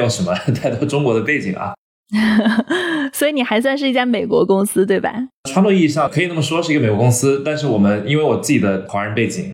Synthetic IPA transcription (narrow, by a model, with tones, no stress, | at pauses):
ɑ˥˩ʊʂə˧˥nmə˧t̪a˥˩ɪt̪ɑ˥˩ʊʈ͡ʂʊ˥ŋkwɔ˧˥d̪ə˧pe˥˩ɪt͡ɕḭ˨˩˦ŋʔɐ̰˧˦ | swɔ˧˥i˧˥ni˨˩xa˧˥ɪs̬wa˥˧nʂɻ̩˥˩i˥˩t͡ɕja˥˧me˨˩ɪkwɔ˧˥kʊ˥ŋsɹ̩˥t̪we˥˩ɪba̰˩ʈ͡ʂʰwa˥nlwɔ˥˧i˥˧ʂ̬ɑ˥˩kʰɤ˧˥i˨˩nə˥˩mə˩ʂwɔ˥ʂɻ̩˥˩˧e˨˩kwɔ˧˥kʊ˥ŋsɹ̩˥t̪a˥˧nʂ̬ɻ̩˥˩wɔ˨˩mə˦ni˥nwe˥˩ɪwɔ˨˩t͡sɹ̩˥˩t͡ɕi˨˩d̪ə˦xwa˧˥ɻə˧˥npe˥˩ɪt͡ɕḭ˨˩˦ŋ